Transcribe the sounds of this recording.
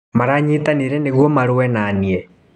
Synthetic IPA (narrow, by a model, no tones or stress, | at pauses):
maɾaɲitaniɾɛneɣwɔmaɾwɛnaniɛ